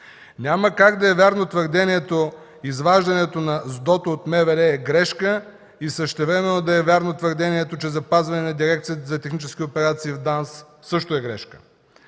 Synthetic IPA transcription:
nʲaməkaɡd̪ɐɛvʲaɾnot̪vəɾd̪ɛniɛt̪o | izvaʒd̪ɐnɛt̪onɐzd̪ɔt̪oːt̪mɛvɛɾɛːɡɾɛʃkə | isəʃt̪ɛvɾɛmɛnːod̪ɐɛvʲaɾnot̪vəɾd̪ɛniɛt̪ot͡ʃɛzɐpazvɐnɛnɐd̪iɾɛkt̪sijət̪zɐt̪ɛxnit͡ʃɛskʲiopɛɾat̪siːvd̪ansː | ɤʃt̪oɛɡɾɛʃkə̥

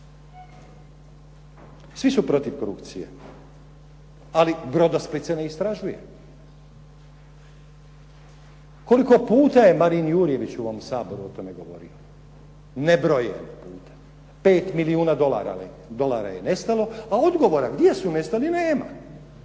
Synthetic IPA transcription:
sʋisupɾo̞t̪iʋkoɾṵpt̪sijḛ | alibɾo̞d̪asplit̪sene̞ist̪ɾaʒuje̞̰ | ko̞liko̞puːt̪aje̞maɾinjuːɾje̞ʋit͡ɕuʋo̞msaːbo̞ɾuo̞t̪o̞me̞ɡo̞ʋo̞̰ɾḭo | nebɾojḛnpuːt̪ḁ | pe̞ːt̪miliuːnad̪o̞la̰ɾa̰ | d̪o̞laːɾa̰je̞ne̞st̪alo̞ao̞d̪ɡo̞ʋo̞ɾaɡd̪ʲje̞sune̞st̪alineːma̰

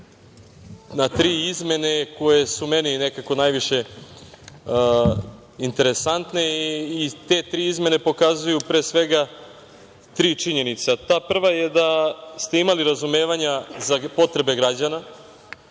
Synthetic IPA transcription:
nat̪ɾiːizme̞ne̞ko̞je̞sume̞ninekako̞najʋiʃe̞ | int̪e̞ɾe̞sant̪ne̞ː | t̪e̞t̪ɾiːizme̞ne̞po̞kazujupɾeːsʋe̞ɡa | t̪ɾiːt͡ʂiɲenit̪sat̪aːpr̩ʋajed̪ast̪e̞imaliɾazume̞ːʋaɲazapo̞t̪ɾe̞be̞ɡɾad͡ʑana

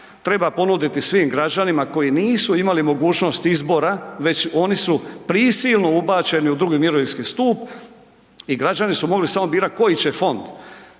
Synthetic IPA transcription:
t̪ɾe̞bapo̞nud̪it̪isʋiːmɡɾad͡ʑanimako̞jiniːsuimalimo̞ɡuːt͡ʃno̞st̪izbo̞ɾaʋe̞t͡ɕo̞nisupɾisilˠno̞ubaːt͡ɕe̞niud̪ɾuɡimiɾoʋinskist̪uːp | iɡɾad͡ʑanisumo̞ɡlisamo̞biːɾat̪̚ko̞jit͡ɕefo̞nd̪

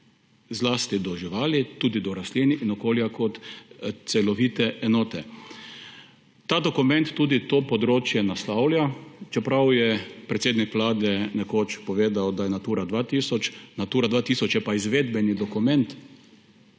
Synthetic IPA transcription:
zlaːst̪id̪ɔʒiʋaːlit̪uːd̪id̪ɔɾasliniʔinɔkoːljakɔt̪t̪sɛlɔʋiːt̪ɛʔɛnɔːt̪ɛ | t̪aːd̪ɔkumɛ̃nt̪ːuːd̪it̪oːpɔd̪ɾoːt͡ʃjɛnast̪awlʲjat͡ʃɛpɾawjɛpɾɛt̪seːd̪nikʋlaːd̪ɛnɛkoːt͡ʃpɔʋeːd̪awd̪ajɛnat̪uːɾad̪ʋaːt̪iːsɔt͡ʃnat̪uːɾad̪ʋaːt̪isɔt͡ʃjɛpaizʋeːd̪bɛnid̪ɔkumɛ̃nt̪

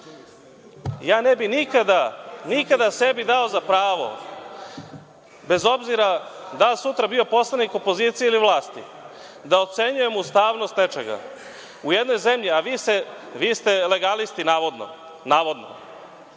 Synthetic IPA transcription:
jaːnebinikad̪anikad̪asebid̪ao̞zapɾaːʋo̞̰ | be̞zo̞bziɾad̪asut̪ɾabio̞po̞slˠaniko̞po̞ziːt̪sijeiliʋlˠaːst̪i | d̪aot̪se̞ɲuje̞must̪aːʋno̞st̪ne̞t͡ʃḛɡa̰ | ujed̪no̞jze̞mʎiaʋise | ʋiːst̪e̞le̞ɡalist̪inaːʋod̪no̰ | naːʋo̞d̪no̞̰

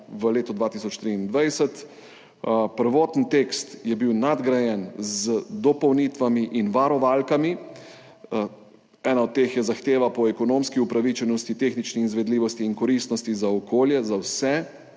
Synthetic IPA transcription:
ʋəleːt̪ɔd̪ʋaːt̪isɔt͡ʃt̪ɾiːnd̪ʋajsət̪ | pəɾʋɔːt̪nt̪ekst̪jɛbiwnad̪ɡɾajɛnzəd̪ɔpɔwnit̪ʋamiʔinʋaɾɔʋaːlkami | ɛːnaɔt̪̚ːeːxjɛzaxt̪eːʋapɔɛkɔnoːmskiupɾaʋit͡ʃɛnɔst̪it̪exnit͡ʃnɛizʋɛd̪liːʋɔst̪iːŋkɔɾist̪nɔst̪izaɔkʰoːljɛzawsɛ

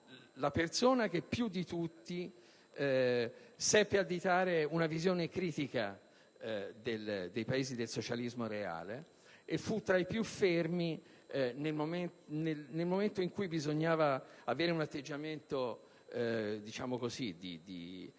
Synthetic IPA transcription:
lapersoːnak̟epːjud̪ːit̪ut̪ːi | sɛpːead̪ːit̪aːɾeunavizjoːnekɾiːt̪ika | d̪eld̪ejpaeːzid̪elsot͡ʃalizmoɾea̰ːle | efːut̪ːɾaipjufːermi | nelmomenelnelmoment̪oiŋkujbizoɲːaːvaaveːɾeunat̪ːed͡ʒːament̪o | d̪it͡ʃaːmokozid̪ḭd̪ḭ

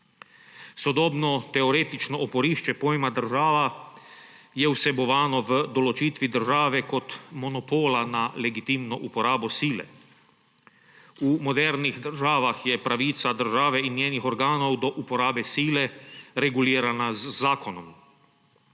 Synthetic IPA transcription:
sɔd̪ɔːbnɔt̪ɛɔɾeːt̪it͡ʃnɔʔɔpɔɾiːʃt͡ʃɛpoːjmad̪əɾʒaːʋa | jɛuwsɛbɔʋaːnɔʋəd̪ɔlɔt͡ʃiːt̪ʋid̪əɾʒaːʋɛkɔt̪mɔnɔpoːlanalɛɡit̪iːmnɔʔupɔɾaːbɔsiːlɛ̰ | umɔd̪ɛɾnixd̪əɾʒaːʋaxjɛpɾaʋiːt̪sad̪əɾʒaːʋɛinjeːnixɔɾɡaːnɔwd̪ɔʔupɔɾaːbɛsiːlɛɾɛɡuliːɾanazːaːkɔnɔm

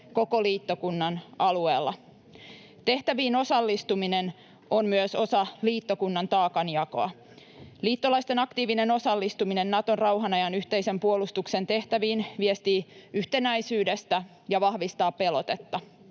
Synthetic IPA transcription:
ko̞ko̞liːt̪ːo̞kunːɑnɑlue̞ːlːɑ | t̪e̞ht̪æʋiːno̞sɑlːist̪uminen | onmyøso̞sɑliːt̪ːokunːɑnt̪ɑːkɑnjɑko̰ɑ̰ | liːt̪ːolɑist̪e̞nɑkt̪iːʋine̞no̞sɑlːist̪umine̞nːɑt̪o̞nrɑwɦɑnɑjɑnyht̪e̞jse̞mpuolust̪ukse̞nt̪e̞ht̪æʋiːnʋiest̪iːyht̪e̞næjsyːde̞st̪æ | jɑʋɑhʋist̪ɑːppːe̞lo̞t̪et̪ːɑ

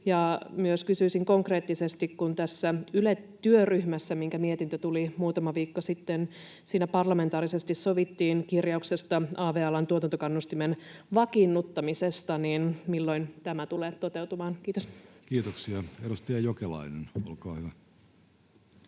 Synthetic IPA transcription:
jɑmyøskysyisiŋko̞ŋkre̞ːt̪ːisest̪ikkunt̪æsːæylett̪ːyøryhmæsːæmiŋkæmiet̪int̪øt̪ulimuːt̪ɑmɑʋiːkːosit̪ːen | siːnæpɑrlɑme̞nt̪ɑːɾise̞st̪issoʋit̪ːiːnkirjɑukse̞st̪ɑɑːʋeɑlɑnt̪uot̪ɑnt̪okɑnːust̪imenʋɑkinːut̪ːɑmisest̪ɑninmilːo̞int̪æmæt̪uleːt̪ːot̪e̞wt̪umɑːnkiːt̪oskiːt̪oksiɑeɾust̪iɑjokelɑ̰ineno̰lkɑːhyʋæ

